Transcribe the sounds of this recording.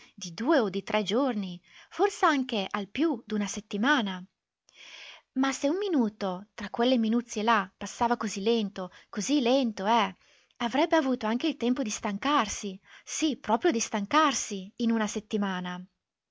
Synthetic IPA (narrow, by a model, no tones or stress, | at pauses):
d̪id̪uːeod̪it̪ɾʔɛd͡ʒorniforseaŋk̟eʔalpjud̪unaset̪ːimaːna | maseumːinuːt̪ot̪ɾakːwelːeminut̪sːjelapasːaːvakozilɛnt̪okozilɛnt̪oɛ | avɾɛbːeavuːt̪oaŋk̟eilt̪ɛmpod̪ist̪aŋkarsisipɾɔːpɾjod̪ist̪aŋkarsiːnunaset̪ːimaːna